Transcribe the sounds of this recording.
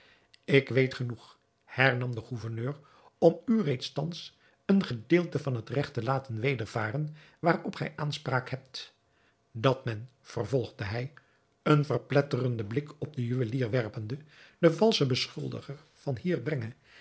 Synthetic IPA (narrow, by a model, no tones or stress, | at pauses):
ɪkʋejtχənuχ | hɛɹnɑmdəχuvəɹnøːr | ɔmyrejtstɑns | ənχədɪːlˠtəvɑnɦətrɛχtəlaːtənʋejdəɹv̥a̰ːɾən | ʋaːrɔpχɛ̰jʔaːnspraːkhɛp̚t | dɑtmɛnv̥ərvɔlˠʁdəɦɛj | ənvərplɛtərəndəblɪkɔp̚dəjyʋəliːrʋɛrpəndəd̥əvɑlˠsəbəsχɵlˠdə̰χəɹ | v̥ɑnhiːrbrɛŋə